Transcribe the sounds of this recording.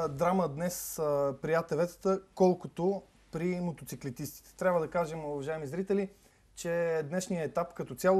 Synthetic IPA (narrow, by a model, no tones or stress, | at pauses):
d̪ɾaməd̪nɛspɾiat̪ɛvɛt̪ə̥t̪əkɔlˠkot̪o | pɾimot̪ot̪siklit̪ist̪i̥t̪ɛ̥t̪ɾʲabvəd̪ɐkaʒɛmʊvɐʒaɛmizɾit̪ɛli | t͡ʃɛd̪nɛʃnijəɛt̪apkɐt̪ɔt̪sʲjalˠ